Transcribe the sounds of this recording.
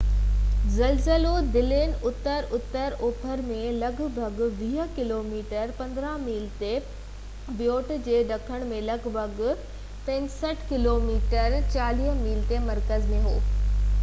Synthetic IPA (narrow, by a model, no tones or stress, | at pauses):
zɐlzəlod̪ɪlɪnʊt̪əɾʊt̪əɾoːpʰəɾmẽlɐɡʱbʱɐɡʋiːɦəkɪloːmiːʈəɾpɐ̃nd̪ɾãmiːlt̪e | bjoːʈd͡ʑeːɗɐkʰəɽ̃mẽlɐɡbʱɐɡ | pɐ̃ɲsəʈʰkɪloːmiːʈəɾt͡ɕaːliːɦmiːlt̪emɐɾkəzmẽɦo̰ː